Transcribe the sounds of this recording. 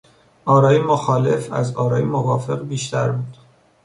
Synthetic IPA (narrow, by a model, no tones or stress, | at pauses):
ʔɒːɾɒːjemoxɒːle̞fæzɒːɾɒːjemovɒːfe̞ɣbiːʃt̪ʰæɾbuːd̪̥